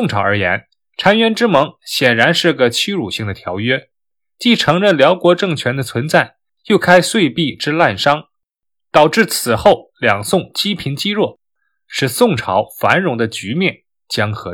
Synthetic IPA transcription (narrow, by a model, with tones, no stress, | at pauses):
ʊ˥˧ŋʈ͡ʂʰɑ˧˥ʊə˞˧˥jɛ̰˧˥n | ʈ͡ʂʰa˧˥nɥɛ˧˥nʈ͡ʂɻ̩˥mɤ˧˥ŋɕjɛ˨˩nɻa˧˥nʂɻ̩˥˩ɡə˨t͡ɕʰy˥ɻu˨˩ɕi˥˩ŋd̪ə˩t̪ʰjɑ˧˥ʊɥɛ˥ | t͡ɕi˥˩ʈ͡ʂʰɤ˧˥ŋɻə˥˩nljɑ˧˥ʊkwɔ˧˥ʈ͡ʂɤ˥˩ŋt͡ɕʰɥɛ˧˥nd̪ə˧t͡sʰwə˧˥nt͡sa˥˩ɪ | jo˥˧˩ʊkʰa˥ɪswe˥˧ɪpi˥˧ʈ͡ʂɻ̩˥la˥˩nʂɑ˥ŋ | t̪ɑ˨˩ʊʈ͡ʂɻ̩˥˩t͡sʰɹ̩˨˩xo˥˩ʊljɑ˨˩ŋsʊ˥˧ŋt͡ɕi˥pʰi˧˥nt͡ɕi˥ɻwɔ˥˩ | ʂɻ̩˥˧˩sʊ˥˩ŋʈ͡ʂʰɑ˧˥ʊfa˧˥nɻʊ˧˥ŋd̪ə˧t͡ɕy˧˥mjɛ˥˩n | t͡ɕjɑ˥ŋxɤ˧˥